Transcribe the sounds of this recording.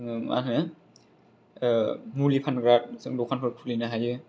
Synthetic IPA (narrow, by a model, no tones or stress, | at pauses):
ŋmʔa̰nnɯ | mulipʰanɡɾat̚sɯŋbɔkʰankʰɯɾkʰulinaɦajɯ